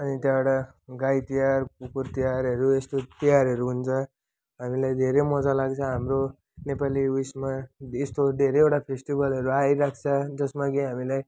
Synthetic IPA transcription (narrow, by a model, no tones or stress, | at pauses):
ʌnit̪jabʌɽa | ɡajt̪ijarkupurt̪ijaɾʌɾuest̪ot̪ijaɾɦʌɾuɦunt͡sʰʌ | ɦamilajd̪ʱeɾemʌd͡zalaɡt͡sʰʌɦamro | nepaliwismaest̪od̪ʱeɾeewʈapʰesʈibʌlɦʌɾuajɾak̚ʰt͡sʰʌd͡zʌsmakiɦamilaj